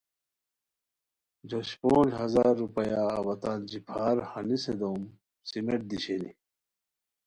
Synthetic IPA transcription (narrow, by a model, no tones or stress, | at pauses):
d͡ʑoɕpoːnd͡ʑɦɐzaːɾːupɐjaːwɐt̪aːnd͡ʑipʰaːɾhɐnised̪oːm | simeʈ̚d̪iɕeni